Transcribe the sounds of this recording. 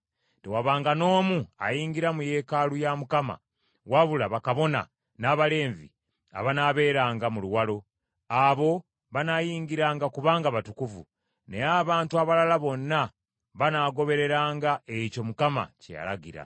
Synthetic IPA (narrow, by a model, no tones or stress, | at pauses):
tewaβaːŋɡano̞ːmua̰jiːŋɡiɾamuje̞kalujamukama̰ | waβulaβakaβo̞na̰ | naβale̞ːɱvḭ | a̰βanaβe̞ːɾaːŋɡamuluwalo̞ | aβo̞ | βanajiːŋɡiɾaːŋɡakuβaːŋɡaβatukuvṵ | ne̞aβaːntuaβalalaβo̞nːa | βanaːɡo̞βe̞ɾe̞ɾaːŋɡae̞co̞mukama̰cḛja̰la̰ɡiɾa̰